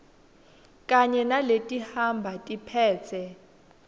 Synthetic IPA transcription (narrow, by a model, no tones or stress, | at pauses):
kʼaɲɛnaletʼihambʱatʼipʰɛːt͡sʰɛ